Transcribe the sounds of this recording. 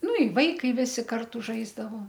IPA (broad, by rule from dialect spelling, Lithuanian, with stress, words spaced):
ˈnʊ ɪ ˈʋɐɪkɐɪ ˈʋʲɪsʲɪ ˈkɐrtʊ ˈʒɐɪzdɐʋoː